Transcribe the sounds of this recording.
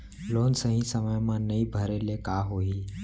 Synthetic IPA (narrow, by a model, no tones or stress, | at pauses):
loːnsəɦĩsəməjmãnəĩbʱəɾelekaɦoːiː